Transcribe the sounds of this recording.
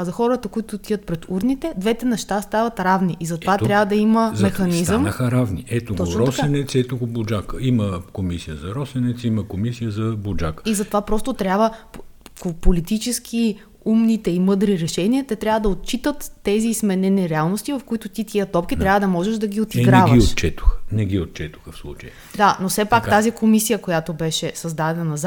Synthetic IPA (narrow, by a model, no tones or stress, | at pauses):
zɐxɔɾət̪ɐkoit̪ʊt̪iət̪̚pɾɛt̪uɾnit̪ɛd̪vɛt̪ɛnɛʃt̪ast̪avɐt̪ɾavniʔizɐt̪ovat̪ɾʲjavɐd̪ɐiməmɛxɐnizəmaxɐɾavniɛt̪oɡ̪t̪ɔtɾɔsɛnɛt̪sɛt̪oɡʊbod͡ʒakəiməkomisijəzɐɾɔsɛnɛt̪siməkomisijəzɐbod͡ʒa̰kə̥izɐt̪ovapɾɔst̪ot̪ɾʲjabvə | opolit̪it͡ʃɛskʰi | umnit̪ɛimɤd̪ɾiɾɛʃɛniət̪ɛt̪ɾʲavəd̪ɐot̪̚t͡ʃit̪ət̪ːɛziːzmɛnɛniɾɛalˠnost̪ivɐfkoit̪ot̪it̪iət̪ɔp̚k̟it̪ɾʲavəd̪ɐmɔʒɛʃd̪ɐɡ̟ʲiot̪iɡɾavɡəiʃott͡ʃɛt̪o̥xə̥nɛɡiot̪̚t͡ʃɛt̪o̥xəfslˠṵt͡ʃəjə | d̪anosɛpakt̪azikomisijəkojat̪obɛʃɛsɐzd̪ad̪ɛnənɐz